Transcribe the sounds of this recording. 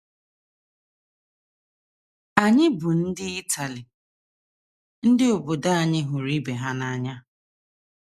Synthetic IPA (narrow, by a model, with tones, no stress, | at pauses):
a˨ɲɪ˦bʊ˨n̩˦dɪ˦i˦tʰa˨lɪ˨ | n̩˦dɪ˦ʊ˨bʊ˨da˦a˨ɲɪ˦ɦʊ˨ɾi˦be˨ɦa˦na˨ɲa˦